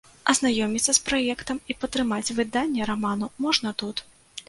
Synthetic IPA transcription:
ɐznajɔmʲit̪sːɐspɾajɛkt̪ɐmipɐt̪ɾɨmat͡sʲvɨd̪anʲːɛɾamanumɔʐnɐt̪ut̪

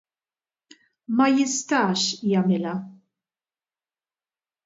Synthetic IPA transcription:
mɐjɪst̪ɐːʃjɐmɪlɐ

